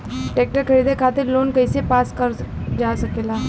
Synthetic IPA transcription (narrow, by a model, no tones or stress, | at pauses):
ʈeːk̚ʈəɾkʰɐɾiːd̪ʱekʰaːt̪ɪɾloːnkɐisepaːskəɾd͡ʒaːsɐkeːlaː